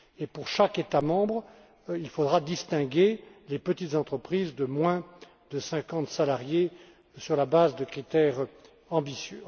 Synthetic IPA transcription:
epuʁʃaket̪amɑ̃bʁ | ilfod̪ʁad̪ist̪ɛ̃ɡʲelepət̪it̪zɑ̃t̪χəpχizd̪əmwɛ̃ | d̪əsɛ̃kɑ̃t̪salaʁje | syʁlabazd̪əkχit̪ɛʁ | ɑ̃bisjø

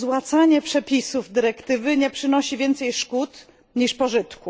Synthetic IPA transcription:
zwat̪saɲɛpʂɛpʲisuvd̪ɘɾɛkt̪ɘvɘɲɛpʂɘnɔɕivʲjɛnt̪sɛjʂkut̪ | ɲiʂpɔʐɘt̪ku

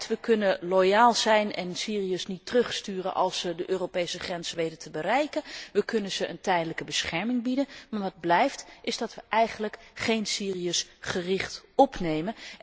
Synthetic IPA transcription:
tʋəkɵnəlojaːlˠzɛjnɛ̰nsiːriəsnitrɵχstyːrə̰nʔɑ̰lˠsədəʔøːropejsəχrɛnzəʋejdətəbərɛjkənʋəkɵnənz̥əʔə̰ntɛjdələkəbəsχɛɹmɪŋbidənmaːɹʋɑd̚blɛjftɪzdɑtʋəʔɛjχənləkχejnsiːriəsχərɪχtɔpnejmən

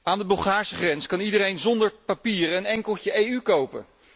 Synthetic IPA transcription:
aːndəbɵlˠχaːɹsəχrɛnskɑnidəɾejnzɔndəɹpapiːrənɛŋkəlˠt͡ʃəejykowpə̰

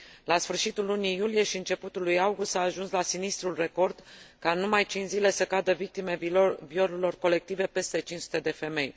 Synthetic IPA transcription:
lasfɨrʃit̪ulːunijulije̞ʃiɨnt͡ʃe̞put̪ulujawɡust̪aːʒunslasinist̪ɾulre̞ko̞rd̪̥kanumajt͡ʃinzile̞səkad̪əvik̚t̪ime̞vio̞ɾelo̞rko̞le̞k̚t̪ive̞pe̞st̪e̞t͡ʃint͡ʃsu̥t̪e̞d̪e̞fe̞me̞j

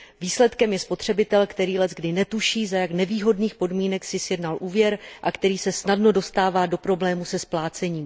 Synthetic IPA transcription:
viːslɛt̪kɛmjɛspo̞t̪r̝̥ɛbɪt̪ɛlkt̪ɛɾiːlɛzɡdɪnɛt̪uʃiːzajaknɛviːɦo̞dniːxpo̞dmiːnɛksɪsjɛdnalʔuːvjɛɾʔakt̪ɛɾiːsɛsnadno̞do̞st̪aːvaːdo̞pɾo̞blɛːmusɛsplaːt͡sɛɲiːm

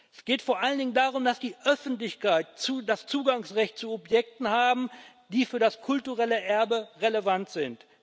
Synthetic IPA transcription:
ʔɛsɡ̥eːtfoːɐʔaləndɪŋəndaːʁʊmdasd̥iːʔœfn̩tlɪçkaɪtt͡sudast͡suːɡaŋsʁɛçt̚t͡suɔpjɛk̚tn̩haːbm̩ | d̥iːfyːɐdaskʰʊltuʁɛləʔɛɐbəʁeləvantz̥ɪnt

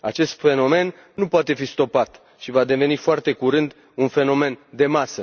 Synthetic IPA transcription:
a̰t͡ʃe̞st̪fe̞no̞me̞nː | upoat̪e̞fist̪o̞pat̪ | ʃivad̪e̞ve̞nifoart̪e̞kuɾɨnd̪ | unfe̞no̞me̞nd̪e̞masə

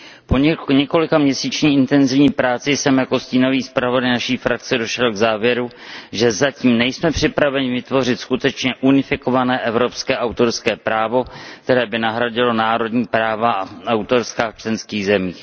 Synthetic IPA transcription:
poɲɛko̞lɪkamɲɛsiːt͡ʃɲɪʔɪnt̪ɛnzɪvɲiːpɾaːt͡sɪsɛmjako̞sciːno̞viːspɾavo̞dajnaʃiːfɾak̚t͡sɛdo̞ʃɛlɡzaːvjɛɾuʒɛzaciːmnɛjsmɛpr̝̥ɪpɾavɛɲɪvɪt̪vo̞r̝ɪt̪skut̪ɛt͡ʃɲɛʔunɪfɪko̞vanɛːʔɛvɾo̞pskɛːʔawt̪o̞ɾskɛːpɾaːvo̞kt̪ɛɾɛːbɪnaɦɾaɟɪlo̞naːɾo̞dɲiːpɾaːvaawt̪o̞ɾskaːft͡ʃlɛnskiːɣzɛmiːx

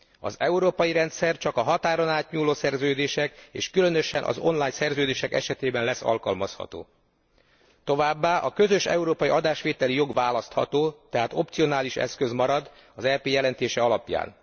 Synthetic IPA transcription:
ɒ̰zɛuɾoːpɒjiɾɛnt̪sɛrt͡ʃɒkɒɦɒt̪aːɾonaːt̪ɲuːloːsɛrzøːd̪eːʃɛkḛːʃkylø̞nø̞ʃɛnʔɒ̰zo̞̰nlaːɲsɛrzøːd̪eːʃɛkɛ̰ʃɛt̪eːbɛnlɛsːɒ̰lkɒlmɒshɒ̰t̪o̰ː | t̪o̞vaːbːaːʔɒkø̞zø̞ʃɛ̰uɾoːpɒjiʔɒd̪aːʃʋeːt̪ɛlijo̞ɡʋaːlɒst̪hɒ̰t̪oːt̪ɛɦaːt̪o̞pt̪sijo̞naːliʃɛ̰skø̞zmɒɾɒd̪ | ɒzɛːpeːjɛlɛnt̪eːʃɛɒlɒpja̰ːn

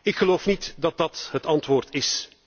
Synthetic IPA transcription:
ɪkχəloːfnitdɑt̚dɑtɦətɑntʋoːrtɪs

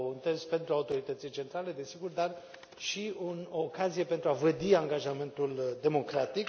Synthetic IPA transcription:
ɨnt̪ezpe̞nt̪ɾuaut̪o̞ɾit̪ət̪sijt͡ʃe̞nt̪ɾale̞d̪e̞siɡurd̪ar | ʃiunokazije̞pe̞nt̪ɾuavəd̪iaŋɡaʒame̞nt̪uld̪e̞mo̞kɾat̪ik

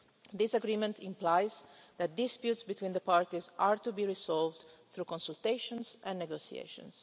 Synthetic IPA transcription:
d̪isaɡɾimɛ̃nt̪ʰĩmplajzd̪æt̪̚d̪ispjut̪sbit̪wĩːnd̪əpaɹt̪izaɹt̪ubiɹisɔlvd̪θɾukɔ̃nsult̪eɪʃɔ̃nsɛ̃nnɛɡosḭḛʃɔ̰̃ns

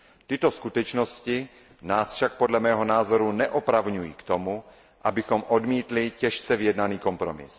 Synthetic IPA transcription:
t̪ɪt̪oskut̪ɛt͡ʃnosci | naːsfʃak̚podlɛmɛːɦɔnaːzoɾunɛʔɔpɾavɲujḭːkt̪omu | ʔabixomʔod̪miːt̪licɛʃt͡sɛvijɛd̪naniːkompɾomɪ̰s

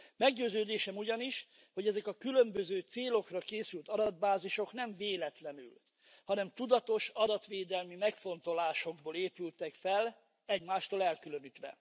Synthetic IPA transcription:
mɛɡɟøːzøːd̪eːʃɛmuɟɒniʃ | ho̞ɟɛzɛkɒkylømbøzøːt̪seːlo̞krɒkeːsylt̪ɒd̪ɒd̪̚baːziʃo̞knɛɱveːlɛt̪lɛny̰l | hɒnɛmt̪ud̪ɒt̪o̞ʃɒd̪ɒt̪ʋeːd̪ɛlmimɛkfo̞nt̪o̞laːʃo̞ɡboːleːpylt̪ɛkfɛl | ɛɟmaːʃt̪oːlɛlkylønit̪ʋɛ̰

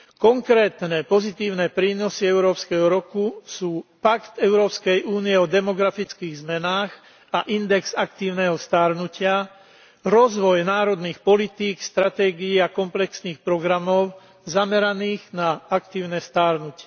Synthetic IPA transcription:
kɔŋkɾɛːt̪nɛpɔzit̪iːʊnɛːpɾiːnɔsiɛʊɾɔːpskɛɦɔɾɔkusuːpakt̪ɛʊɾɔːpskɛjʔuːniɛɔd̪ɛmɔɡɾafit͡skiːɣzmɛnaːx | aʔind̪ɛɡzakt̪iːʊnɛɦɔst̪aɾnucɪa | ɾɔzʋɔjnaːɾɔd̪niːxpɔlit̪iːkst̪ɾat̪ɛːɡiiakɔmplɛksniːxpɾɔɡɾamɔʊ | zamɛɾaniːɣnaakt̪iːʊnɛːst̪aːɾnucɪɛ

